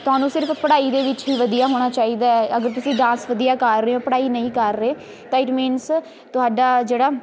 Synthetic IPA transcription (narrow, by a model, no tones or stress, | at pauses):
t̪ʊɦaːnũːsɪɾəpʰpəɽaːiːd̪eːʋɪt͡ʃɦiːʋəd̪ijaːɦoːɽ̃aːt͡ʃaːiːd̪aːɛəɡəɾt̪ʊsĩːɖãːsʋəd̪ijaːkəɾːeːõːpəɽaːiːnəĩːkəɾːeː | t̪ãːɪʈmiːns | t̪ʊɦaːɖaːd͡ʒeːɽaː